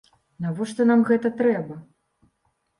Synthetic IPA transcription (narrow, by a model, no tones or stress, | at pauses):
navɔʂt̪ɔnamɣɛt̪ɐt̪ɾɛbɐ